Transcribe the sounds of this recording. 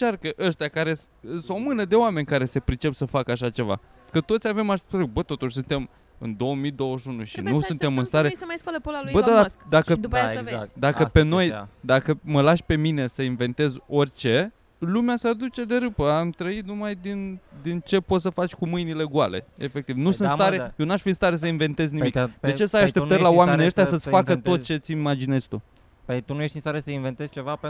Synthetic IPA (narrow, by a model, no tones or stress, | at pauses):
t͡ʃarkəʔəʃt̪ʲakaɾe̞sɨso̞mɨnəd̪e̞oame̞nʲkaɾe̞se̞pɾit͡ʃe̞psəfakəaʃ̬at͡ʃe̞va̰ | kət̪o̞t̪sʲave̞maʃɾeɡ̚bət̪o̞t̪uʃʲsunt̪e̞m | ɨ̰nd̪o̞womid̪o̞wəʃunuʃinussunt̪emɨnst̪aɾesmajskalepolalujbəd̪ad̪skd̪akəd̪upvea̰d̪akəpe̞no̞j̰d̪akəməlaʃpe̞mine̞səinve̞nt̪e̞zo̞rʲt͡ʃe̞ | lumeasead̪ut͡ʃe̞d̪e̞ɾɨpəamt̪ɾəit̪numajd̪ind̪int͡ʃe̞po̞t̪səfat͡ʃʲkumɨjnile̞ɡua̰le̞̰efe̞k̚t̪ivnusɨnt̪st̪aɾejonuaʃfinst̪aɾe̞s̬əinve̞nt̪e̞znimikdd̪e̞t͡ʃe̞sajaʃt̪eəɾʲlaoameenʲiəʃt̪jasət̪sfakət̪o̞t̪̚t͡ʃe̞t̪sʲimad͡ʒine̞zʲt̪u | pet̪unujeʃt̪inst̪aɾesəinvent̪ez̥t͡ʃevap